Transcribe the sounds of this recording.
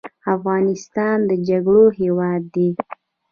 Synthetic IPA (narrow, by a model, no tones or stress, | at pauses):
afɣɑnɪst̪ɑnd̪əd͡ʒaɡɽoɦewɑd̪ːe